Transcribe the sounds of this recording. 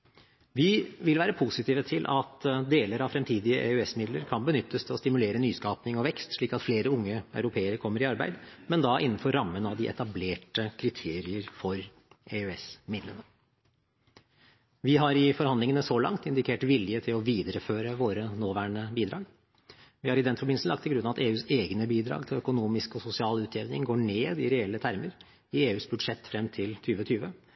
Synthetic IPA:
ʋɪʋɪlʋæːɾəpʰusɪt̪ʰiːʋət̪ʰɪlʔɑt̪d̪eːləɾɑʋfɾɛmt̪ʰiːd̪ɪəʔɛʉɛsmɪd̪ləɾkʰɑnbənʏt̪ʰːəst̪ʰɪlɔst̪ɪmʉleːɾənyːskɑːpnɪŋɔʋɛkst̪ʂɭiːkɑt̪fleːɾəʊŋːəɑ̰œʉɾʊpʰeːəɾəɾkʰɔmːəɾɪɑɾbæ̰ɪd̪mɛnd̪ɑʔɪnːnfɔɾːɑmːənɑʋd̪ɪʔɛ̰t̪ɑbleːʈəkʰɾɪt̪ʰeːɾɪəɾfɔɾ | ʔɛʉɛsmɪd̪lənə | ʋɪɦɑɾɪfɔɾhɑnd̪lɪŋənəsɔlɑ̰ŋt̪ɪnd̪ɪkʰeːʈʋɪljət̪ʰɪlɔʋiːd̪əɾəføːɾəʋoːɾənoːʋæːɳəbiːd̪ɾɑ̰ːɡ | ʋɪhɑɾɪd̪ɛnfɔbɪnsn̩ɑkt̪ɪlɡɾʉnːɑʋɑt̪eːʉːseːɡnəbiːd̪ɾɑ̰ːɡt̪ʰɪlœkʊnuːmɪskɔsʊsɪɑːlʉːt̪ʰeːʋnɪŋɡoːɳeːd̪ɪɾɛɛlːət̪ʰæɾməɾ | ɪeːʉːsbʉd̪ʂɛt̪ːfɾɛmːt̪ʰɪlt̪ʰyːʋət̪ʰyːʋə

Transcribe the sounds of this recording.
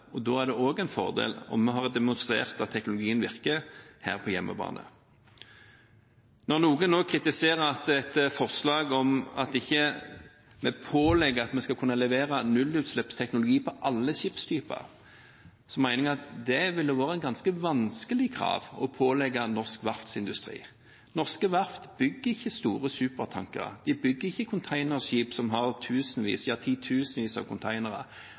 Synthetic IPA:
ɔd̪oːæʁd̪ɛoːɡɛɪnfɔ̰ʁd̪ḛːlɔ̰mːɛɦɑʁd̪ɛmʊnst̪ʁḛːʁt̪ɑt̪ʰːɛknʊlʊɡiːənʋɪʁkəhæ̰ːʁpʰɔjɛmːə̰bɑ̰ːnʔə̰ | nɔʁnuːɡənoːkʰɾɪt̪ɪseːʁəɾɑt̪ɛt̪fɔʁslɑːɡɔmɑ̰t̪ɪçːə | mɛpʰoːlɛɡːəʁɑt̪mɛskɑlkʰʉnːɑlɛʋeːɾɑnʉlːʉːt̪slɛpst̪ʰɛknʊlʊɡiːpʰɔʔɑlːəɕɪpst̪ʰyːpɑ̰ʁ | sɔmæɪnɪŋəɑt̪d̪ɛʋɪld̪əʋoːɾəɛnɡɑnskəʋɑnskəlɪkʰɾɑ̰ːʋɔ̰pʰoːlɛɡːɑnɔʁskʋɑft̪sɪnd̪ʉst̪ɾḭː | nɔʁskəʋɑft̪bʏɡːəɾɪçːəst̪uːɾəsʉːpəʁt̪ʰɑ̰ŋkə̰ɾə̰d̪̥ɪbʏɡːəɾɪçːəkʰʊnt̪ʰæɪnəʁsɕiːpsɔmɦɑʁt̪ʰʉːsən̩ʋḭːsɪɑt̪ʰiːt̪ʰʉːsn̩ʋiːsɑ̰ʋkʰʊnt̪ʰæɪnəʁə̰

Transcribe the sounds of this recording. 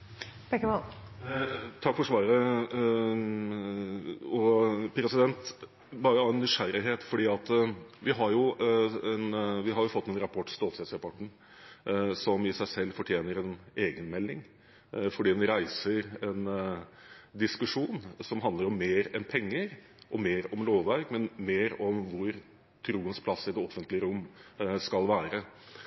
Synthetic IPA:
b̥ɛkːəʋɔl | t̪ʰɑkfɔɾʂʋɑːɾə | ɔpʰɾɛsɪd̪ɛnt̪ | bɑːɾəɑɛnːʏʂæɾɪɦeːt̪fɔɖiːɑt̪ʋɪɦɑɾjʊɛnʋɪɦɑɾjʊfɔt̪ːɛnɾɑpʰɔʈːst̪oːlhɛːt̪sɾɛpʰɔʈːɳ̩ | sɔmɪsæɪsɛlːfɔʈʰjeːnəɾɛneːɡənmɛlːɪŋ | fɔɖiːd̪ɛnɾæɪsəɾɛn | d̪ɪskʉʂuːnsɔmɦɑnd̪ləɾɔmːeːɾɛnpʰɛŋːəɾ | ʔɔmeːɾɔmloːʋʋæɾɡmɛnmeːɾɔmʋʊɾ | t̪ʰɾuːənspʰlɑsːɪd̪ɛɔfːənt̪lɪəɾʊmːskɑlʋæːɾə

